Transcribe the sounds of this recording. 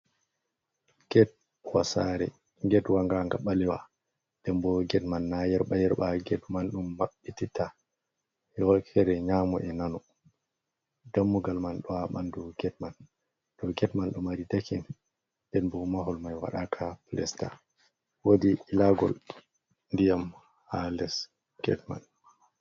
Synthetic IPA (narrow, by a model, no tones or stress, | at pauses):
ɡɛt̚ | wasaɾɛ̰ | ŋɡɛtwaŋɡaŋɡaɓalɛwa̰ | d̥ɛmbɔɡɛtmanːajɛɾɓajɛɾɓaɡɛdmanɗumːaɓːitita | jɔkʰɛɾɛɲamɔʔɛnanɔ | damːuɡalmanɗɔaɓandɔɡɛtman | d̥ɔɡɛtmanɗumaɾidakin | d̥ɛnbɔmaɦɔlmajwa̰ɗakʰaplɛ̰sta̰ | wodiilaɡɔ̰l | ndijam | halɛs | ɡ̥ɛ̰tma̰n